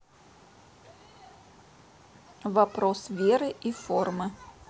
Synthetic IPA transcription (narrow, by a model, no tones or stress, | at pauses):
vɐpɾosvʲeɾɨʔiformɨ